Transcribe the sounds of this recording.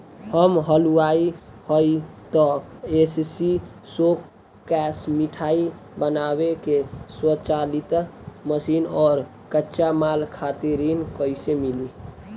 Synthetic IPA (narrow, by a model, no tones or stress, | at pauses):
həmɦəluaihəjt̪ɔessi | sok | kːɛsmiʈʰai | bənabekeswət͡ʃalit̪məsinɔːɾ | kətːt͡ʃamalkʰat̪iɾinkəjsemili